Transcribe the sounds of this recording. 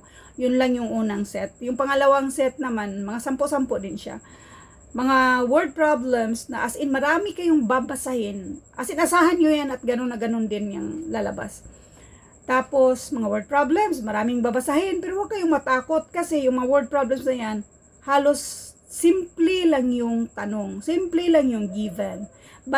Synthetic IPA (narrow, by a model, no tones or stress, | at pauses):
jʊnlaŋjʊŋʔuːnaŋsɛt̪̚jʊŋpɐŋɐlɐwaŋsɛt̪̚nɐmanmɐŋasampoʔsampod̪ɪnʃa̰ | mɐŋawɛɹd̪̚pɹablɛmsnɐʔasʔɪnmɐɾaːmɪkɐjoŋbabasahɪnʔasɪnasaːɦanɲojanɐt̪̚ɡɐnonːɐɡɐnond̪ɪnja̰ŋlalɐ̰ba̰s | t̪aːposmɐŋawɛɹd̪̚pɹablɛmsmɐɾaːmɪŋbabasaɦɪnpɛɾowaɡ̚kɐjoŋmɐt̪aːkot̪̚kɐsɛjʊŋmɐŋawɛɹd̪̚pɹablɛmsnɐjan | haːlosː | ɪmplɪlaŋjʊŋt̪ɐnoŋsɪmplɪlaŋjʊŋɡiːvɛn | ba